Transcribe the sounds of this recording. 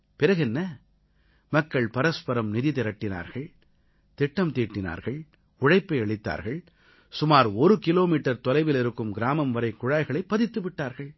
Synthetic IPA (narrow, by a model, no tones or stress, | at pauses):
pɪɾɐɣɛnːɐ | mɐkːɐɭpɐɾɐspɐɾɐmnɪðɪt̪ɪɾɐʈːɪna̰ːɾɣɐɭ | t̪ɪʈːɐmt̪iːʈːɪna̰ːɾɣɐɭ | ʊɻɐɪpːɐɪɐɭɪt̪ːa̰ːɾɣɐɭ | sʊmaːɾɔɾɯkɪloːmiːʈːɐɾt̪ɔlɐɪʋɪlɪɾɯkːɯmɡɪɾaːmɐmʋɐɾɐɪkːʊɻaːɪɣɐɭɐɪpːɐðɪt̪ːɯʋɪʈːaːɾɣɐɭ